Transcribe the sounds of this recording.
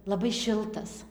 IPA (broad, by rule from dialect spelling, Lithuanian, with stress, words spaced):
lˠɐˈbɐɪ ˈʃʲɪlˠtɐs